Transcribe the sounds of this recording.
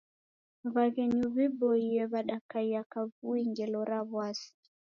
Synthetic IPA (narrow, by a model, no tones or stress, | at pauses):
βaɣɛɲuβibɔiɛβaɗakaiakaβuiŋɡɛlɔɾaβwasi̥